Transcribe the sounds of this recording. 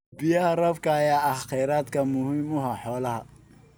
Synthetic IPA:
bɪjɐhɐrɐfkʰɐːjaːɑχɛːɾaːd̪kʰɐmʊhiːmʊɦɐħɔːlɐɦɐ

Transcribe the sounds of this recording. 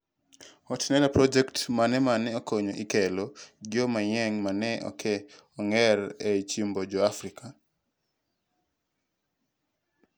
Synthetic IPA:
ɔtnɛlapɾɔd͡ʒɛktmanɛmanɛɔkoɲoʔikɛloɡɪomajɛŋmanɛʔɔ̰kʰɛ | ɔŋɛɾɛt͡ʃimbod͡ʒɔafɾikʰa

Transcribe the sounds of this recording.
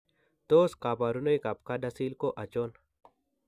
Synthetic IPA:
t̪oːskaːpaːɾunojkap̚kadɐsiːlkoʔɐt͡ɕoːn

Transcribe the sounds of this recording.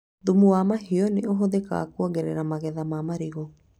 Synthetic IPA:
ðumuwamaɦiɔneoɦoðeka̰a̰kwɔɡɛɾɛ̰ɾamaɣɛðamamaɾeɣo

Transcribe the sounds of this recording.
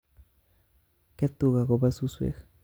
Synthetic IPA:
ket̪uɣaɣobasuswḛx

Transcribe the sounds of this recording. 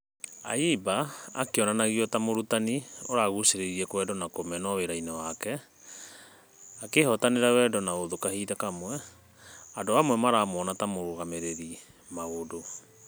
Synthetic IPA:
a̰ibaːkeɔnanaɣiɔtamoɾutanioɾaɣuseɾeɾiɛkwɛdɔnakomɛnɔweɾainewakɛ | akehɔtaneɾawɛdɔnaoðokahiðakamwɛ | adoamwɛmaɾaːmɔːnatamoɾoɣameɾeɾi | maɣodo

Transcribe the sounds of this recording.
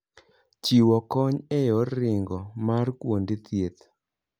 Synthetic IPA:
t͡ʃiwɔkɔɲɛjɔːɪŋɡɔmarkwondɪt̪jet̪

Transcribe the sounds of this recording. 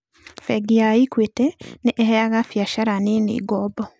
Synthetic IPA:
fɛɡiaikwetɛneʔːhɛaɣafjaʃaɾaninḛːɡɔbɔ

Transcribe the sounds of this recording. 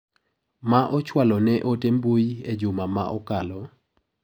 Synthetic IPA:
maʔɔt͡ʃwalɔnɛʔotembujed͡ʒʊmamaʔɔkalɔ

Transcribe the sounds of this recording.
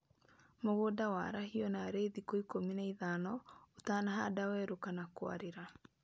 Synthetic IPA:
moɣodawaːɾahiɔnaɾeðikoikominaiðanɔotaːnaɦadawɛːɾokanakwa̰ɾeɾa

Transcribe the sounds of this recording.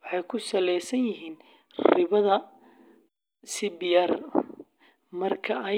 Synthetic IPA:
wɑħɑjkʰʊsɐlɛjsɐnjɪɦiːn | rɪβɐðɐ | sɪbɪjɐr | mɐrkʰɐɐ

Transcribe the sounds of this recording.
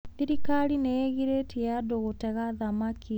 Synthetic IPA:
iɾikaɾineeɣiɾetiadoɣotɛɣaðamakʰi

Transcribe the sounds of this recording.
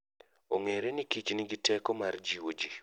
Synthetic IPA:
oŋeɾenikit͡ʃnɪɡɪtɛkɔmard͡ʒiwod͡ʒi

